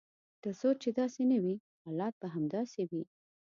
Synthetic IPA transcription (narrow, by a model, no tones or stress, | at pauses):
d̪̥əsot͡ʃed̪ɑsenəwi | hɑlɑt̪̚baɦamd̪ɑsewi